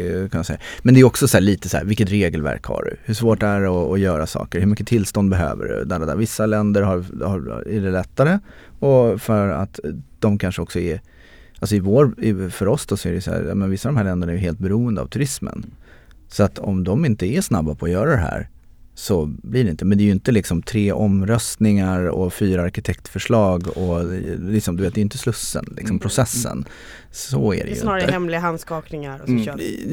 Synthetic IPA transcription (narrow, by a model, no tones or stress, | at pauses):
kʰanjasɛ̰jːamɛnd̪ɛːjʏɔksɔsæːɭiːt̪əsæ̰ːɾvɪlkːət̪ɾeːɡəlvæ̰ɾkha̰ɖɵ̰hɵʂvoːʈ̪æɾɔːjœːɾasɑ̰ːkəɾhɵɾmʏkːət̪ʰɪlst̪ɔnd̪bɛɦø̰ːvə̰ɖɵ̰d̪alad̪vɪsːalɛnd̪əɾɦaɾhaɾæɖɛlɛt̪ːaɾə | ɔfœɾa̰t̪d̪̥ɔmkʰanʂəɔksɔɛ | alsɔɪvoːɾɪfœɾɔsd̪ɔsɔɛɾɛjsæ̰ːɾjɑ̰ːmɛnvɪsːad̪ɔmɦæːɭɛnd̪əɳaɛɾjʏɦeːlt̪̚bɛɾuːənd̪əa̰vt̪ʰɵɾɪsmə̰n | sɔat̪ʰɔmd̪ɔmɪnt̪əæʂnabːapʰɔːjœːɾad̪ɛɦæ̰ːɾ | sɔblɪɖɛɪnt̪əmɛnd̪ɛːjʏʏnt̪əlɪksɔmt̪ʰɾeːʔɔmɾœst̪nɪŋaɾɔ̰fyːɾaaɾkɪt̪ʰɛkt̪fœʂɭɑːɡɔlɪksɔmd̪ɵveːt̪̚d̪ɛjɪnt̪əslɵsːə̰nlɪ̰ksɔmpʰɾʊsɛsːə̰n | sɔæ̰dɛ̰j̰nːɾhɛmlɪɡaɦanskɑːknɪŋaɾɔ